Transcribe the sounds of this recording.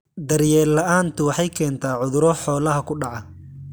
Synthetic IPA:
d̪ɐɾjɛːlːɐʔaːnt̪ʰʊwɑħɑjkʰɛːnt̪ʰaːʕʊðʊɾɔħɔːlɐɦɐkʰʊɖɑʕɑ

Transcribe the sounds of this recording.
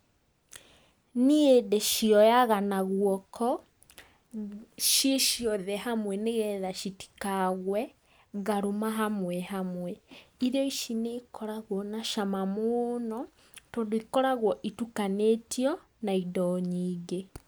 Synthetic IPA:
niedeʃiɔjaɣanaɣwɔkʰɔ | ʃeʃiɔðɛhamwɛneɣɛðaʃiti̥kaɣwɛ | ɣaɾomaɦamwɛɦamwɛiɾeɔiʃinekɔɾaɣwɔnaʃamamonɔ | toːndoikɔɾaɣwɔʔitukanetiɔ | naidɔɲiːɡe

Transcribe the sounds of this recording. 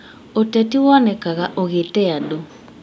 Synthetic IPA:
otɛtiwɔnɛkaɣaʔoɣetɛjado

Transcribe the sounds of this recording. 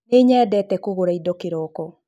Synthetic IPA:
eɲɛːdɛtɛkoɣoɾaidɔkeɾɔkɔ

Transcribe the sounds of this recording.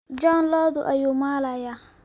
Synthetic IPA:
d͡ʒɔːnlɔːðʊʔɐjuːmaːlajaː

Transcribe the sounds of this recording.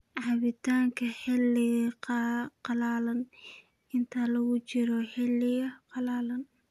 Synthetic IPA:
ʕɑβɪt̪ʰaːŋkʰɐhɛlɪɣ | qɑlaːlɐn | ʔɪnt̪ʰalɐɣʊt͡ʃɪɾɔhɛlɪɣɐqɑlaːlɐn

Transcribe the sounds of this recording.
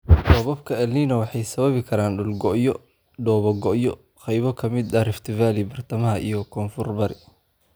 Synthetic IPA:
dɔβɐbkʰɐɛlniːnɐwɑħɑjsɐβɐβɪkʰɐɾaːnɖʊlɡɔʔjɔ | ɖɔːβɐɡɔʔjɔ̰ | χɛjβɔkʰɐmɪd̪ɐrɪft̪ʰɪvaːlibɐrt̪ʰɐmɐɦɐʔijɔkʰɔːnfʊrbɐɾɪ

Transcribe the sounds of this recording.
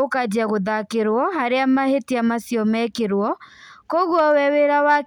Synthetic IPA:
okad͡ʑaɣoðakeɾwɔhaɾeamahetiamasiɔmɛkeɾwɔkoɣwɔwɛweɾawa

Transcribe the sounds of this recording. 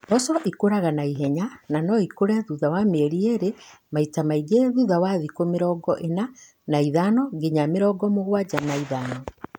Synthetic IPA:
bɔsɔʔikoɾaɣanaiɦɛɲananɔikoɾɛðuðawameeɾieɾemaitamaiɡeðuðawaðikomeɾɔːɡɔʔena | naiðanɔɡeɲameɾɔɡɔmoɣwad͡ʑanaiðanɔ

